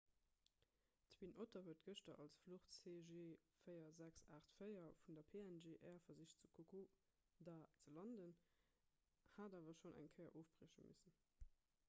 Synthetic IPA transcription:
t͡swinʔotʰɐvuətɡ̥əʃtɐʔɑlsfloχtt͡seːʒeːfəɪɐzæksaːχtfəɪɐfundɐpʰeːænʒeːʔɛːɐfɐziʃtt͡sukʰokʰo | daːt͡səlɑndən | haːdaːvɐʃonʔæ̰ŋkʰəɪɐ̰ʔoːfb̥ʁiːʃəmisən

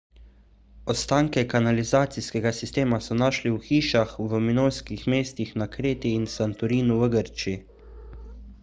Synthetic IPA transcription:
ɔt̪st̪aːŋkɛkanalizaːt̪siskɛɡasist̪eːmasɔnaːʃliwxiːʃaxʋəminojskixmeːst̪ixnakɾeːt̪iːnsant̪ɔɾiːnuʋəɡəɾt͡ʃii

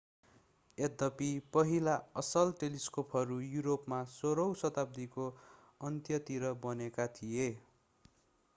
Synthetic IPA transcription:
ed̪ʌpipʌɦilaʌsʌlʈeliskopʰɦʌɾujuɾopmasoɾʌwsʌt̪ab̚d̪iko | ʌnt̪jʌt̪iɾʌbʌnekat̪ʰije

